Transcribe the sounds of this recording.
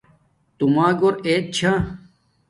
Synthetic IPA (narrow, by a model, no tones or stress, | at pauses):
t̪umãːɡoɾeːt̪̚t͡ɕʰã